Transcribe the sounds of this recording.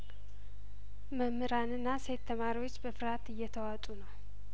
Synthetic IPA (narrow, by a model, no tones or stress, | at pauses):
məmɨɾanɨnːase̞t̪ʰːəmaɾiwot͡ʃːbəfɨɾat̪ɨjːɛt̪ʰəwat̪ʼunəw